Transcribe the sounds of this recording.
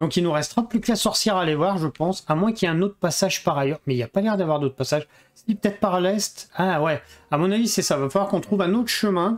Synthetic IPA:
d̪ɔ̃kilnuʁɛst̪əʁaplyklasɔʁsjɛʁalevwaʁʒəpɑ̃samwɛ̃kiljɛɛ̃not̪χəpasaʒpaʁajœʁmɛilapalɛʁd̪avwaʁd̪ot̪χpasaʒ | sipø̥t̪ɛt̪χpaʁlɛst̪awɛamɔ̃navisɛsavafalwaʁkɔ̃t̪χuvɛ̃not̪χə̥ʃəmɛ̃

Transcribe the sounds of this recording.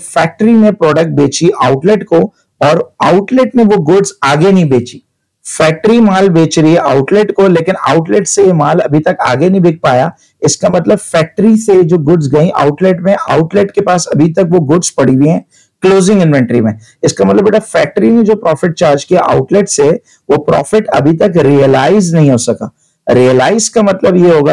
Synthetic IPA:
fɛːk̚ʈəɾinẽpɾɔːɖək̚ʈ̚beːt͡ʃiʔaːʊʈlɪʈko | ɔːɾaːʊʈlɪʈneʋoɡʊɖzaːɡenɐɦĩbeːt͡ʃi | fɛːk̚ʈɾimaːlbeːt͡ʃɾɐiɦɛʔaːʊʈlɪʈkoleːkɪna̰ːʊʈlɪʈsejemaːlɐ̰bʱit̪ɐka̰ːɡenɐɦĩbʱeːk̚paːja | ɪskamɐt̪ləbfɛːk̚ʈɾised͡ʒoːɡʊɖzɡɐĩʔa̰ːʊʈlɪʈmẽʔa̰ːʊʈlɪʈkepaːsɐbʱit̪ɐkʋoɡʊɖzpɐɽ̤ibiɦɛ̃ː | kloːzɪ̃ŋɡɪ̃nʋɛ̃ɳʈɾimẽ | ɪskamɐt̪ləbeʈafɛːk̚ʈɾined͡ʒoːpɾɔːfɪʈ̚t͡ʃaːɾd͡ʒkija̰ʔa̰ːʊʈlɪʈse | ʋopɾɔ̰ːfɪʈɐ̰bʱit̪ɐkɾiəlaːɪznɐɦĩɦoːsɐka̰ː | ɾijəlaːɪzkamɐt̪ləbjeɦoːɡaː

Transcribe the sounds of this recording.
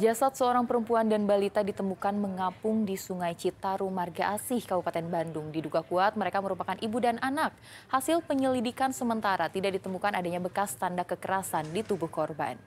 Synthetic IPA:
d͡ʒasat̪̚səoɾaŋpəɾəmpuandanbalit̪adit̪əmukanməŋapʊŋdisuŋajt͡ʃit̪aɾumarɡaʔasɪhkabupat̪ɛnbandʊŋdiduɡakuat̪̚məɾekaməɾupakanʔibudanʔanak̚ | hasɪlpəɲəlidikansəmənt̪aɾat̪idak̚dit̪əmukanadaɲabəkast̪andakəkəɾasandit̪ubʊhkɔrba̰n

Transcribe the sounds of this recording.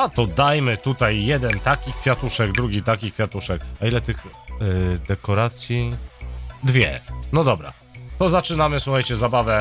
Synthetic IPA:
at̪ɔd̪ajmɘt̪ut̪ajːɛd̪ɛnt̪akʲikfʲjat̪uʂɛɡd̪ɾuɡʲit̪akʲikfʲjat̪uʂɛkailɛt̪ɘx | d̪ɛkɔɾat̪sʲji | d̪vʲjɛ̰nɔd̪ɔbɾa̰ | t̪ɔzat͡ʂɘnamɘswuxajt͡ɕɛzabavɛ

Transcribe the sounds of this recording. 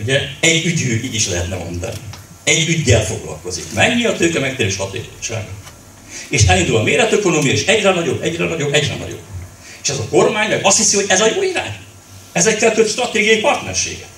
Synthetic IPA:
uɟɛɛɟːyɟøːʔiːɟiʃlɛɦɛt̪nɛmo̞̰nd̪ɒ̰ni | ɛɟːyɟːɛlfo̞ɡlɒ̰lko̞zikmɛɲːiɒt̪øːkɛmɛk̚t̪eːɾiʃɒt̪ḛːkot͡ʃa̰ːɡɒ | eːʃɛlind̪ulɒmeːɾɛt̪øko̞noːmijɒiʃɛɟrɛnɒɟo̞bɛɟrɛnɒɟo̞bɛɟrɛ̰nɒ̰ɟo̞̰b | eːʃɛzɒko̞rmaːɲmɛɡɒst̪hisihoɟɛzɒjoːiɾa̰ːɲ | ɛzɛkːɛlt̪øpʃt̪rɒt̪eːɡijɒjipɒrt̪nɛ̰rʃḛːɡɛ

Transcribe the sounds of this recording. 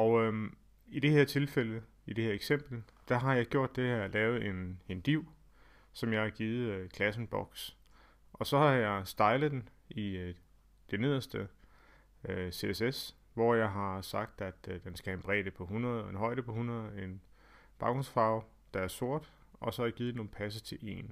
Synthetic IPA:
ɒ̽ʊø | id̥e̝heɐ̰t͡sʰe̝lfelə | id̥e̝heɐeɡ̥sem̰b̥l̩d̥æɦɑ̈jɑ̈ɪɡ̥jo̝ɐ̰d̥ːeheɐ̰lɛːʊð̩ˠe̝ne̝nd̥iʊ̰ | sɒ̽mjɑɪhɑ̈ɡ̥iːð̞̩ˠkʰlæsn̩b̥ɒ̽ɡ̥s | ʔɒ̽sɒ̽hɑ̈jɑ̈ɪsd̥ɑ̈ɪlð̩ˠd̥en | i | d̥ene̝ð̞̰ˠɐsd̥ə | øse̝eses | ʋɒjɑ̈ɪɦɑ̈sɑ̈ɡ̥̚d̥æd̥d̥ensɡ̥æhæenb̥ʁɛ̰ːd̥əpʰɒ̽ɦunɐð̩ˠenɦɒ̽ɪɾ̥əpʰɒ̽hunɐð̩ˠen | b̥ɑ̈ɡ̥osfɑ̈ʊ | d̥ɑ̈æɐso̝ɐ̰d̥ | ɒ̽sɒ̽hɑjäɡ̥iːð̩ˠno̝ːn̩pʰæs̬ət͡sʰe̝lʔe̝̰ːn

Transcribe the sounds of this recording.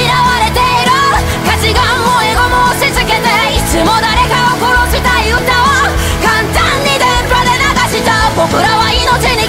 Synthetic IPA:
iɾaβaɾe̞t̪e̞iɾɯ | kat͡ɕiɡãɰoeɡo̞mosezɨke̞t̪e | it͡sɨmo̞d̪aɾe̞kaoko̞ɾoɕit̪aiɯ̟t̪aβa | kãnt̪ãɲːid̪ẽmpad̪e̞naɡaɕit̪apo̞kɯ̟ɾaβaino̞t͡ɕiɲi

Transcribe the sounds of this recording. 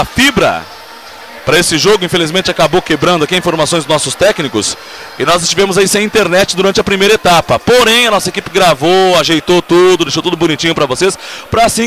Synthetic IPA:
ɐfibɾɐ̰ | pɾɐesɪʒoɡʊĩfelizmẽnt͡ʃɪakabowkebɾɐ̃nd̪ʊakiɐĩfoɾmasõj̃znɔsʊst̪ɛknikʊ̰s | ɪnɔzɪst͡ʃivẽmʊzaisẽj̃ĩnt̪eɾnɛt͡ʃɪd̪uɾɐ̃nt͡ʃɪɐpɾimejɾɐet̪apɐpoɾẽj̃ɐnɔsɐekipɪɡɾavoaʒejt̪ot̪ud̪ʊd̪ejʃowt̪ud̪ʊbʊ̃nit͡ʃĩɲʊpɾɐvosespɾɐːsĩ

